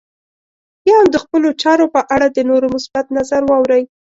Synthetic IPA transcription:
jɑamd̪əxpəlot͡ʃɑɾopəʔaɽad̪ənoɾomʊsbat̪nazaɾwɑwɾəj

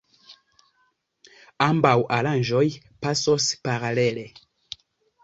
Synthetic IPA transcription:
ambawʔaɾand͡ʒoj | pasospaɾalele

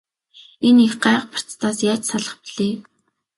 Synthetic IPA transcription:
enixɢaːqpʰḁr̥t͡st̪ʰaːsjaːt͡ɕsaɮə̆χpiɮeː

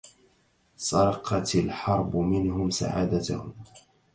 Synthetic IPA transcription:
sˤɑɾˤɑqʰɑt̪alħɑɾˤbʊmɪnhʊmsa̰ʕa̰ːd̪at̪a̰hʊ

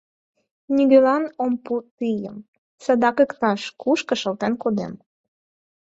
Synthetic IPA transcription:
nʲiɡølɑnomput̪ijə̰m | sɤd̪ɑkə̆kt̪ɑʃkuʃkɤ̆ʃɤ̆lt̪enkod̪ḛm

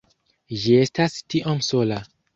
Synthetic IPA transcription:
d͡ʒiestastiʔomsola

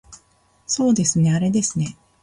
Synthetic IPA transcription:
so̞ːd̪e̞sɨne̞aɾe̞d̪e̞sɨne̞

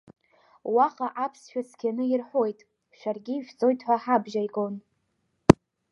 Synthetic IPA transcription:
waχʼaʔapʰsʃᶣaskʲʰanɨirħʷojtʼ | ʃᶣarɡʲiʒᶣt͡sʼo̞jtʰʼħʷaħabʒajɡʼon

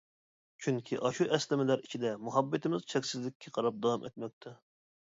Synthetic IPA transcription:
t͡ʃʰyŋkʲʰiʔɑʃuʔɛslɪmɪlæɾit͡ʃʰid̪ɛmuɦɑbːɪt̪ʰɪmɪz̥t͡ʃʰɛkʲsɪzlɪkʲʰːɛqʰɑɾɑp̚d̪ɑwɑmʔḛt̪̚mɛk̚ʲt̪ʰɛ

